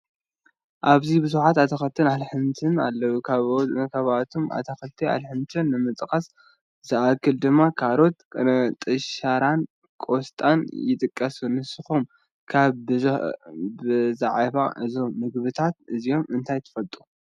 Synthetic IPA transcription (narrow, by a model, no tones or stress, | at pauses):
ʔaβzibɨzuħat̪at̪ʰɐxɐt̪ʰːɨnalħɨnt̪ʰɨna̰lːɐwukʰaβkʰaβat̪ʰomʔa̰t̪ʰɐxɐt̪ʰːia̰lħɨnt̪ʰɨnːɨmɨt̪ʼkʼɐs | zɨʔakʰːɨld̪ɨmːakʰaɾo̞t̪kʼɐt̪ʼɨʃaɾan | kʼo̞st̪ʼanjɪt̪ʼɨkʼːɐsunɨsɨxom | kʰaβ | bɨzaʕβaʔɨzo̞mnɨɡβɨt̪ʰat̪ɨzijo̞mɨnt̪ʰajt̪ʰɐ̥fɐlt̪ʼu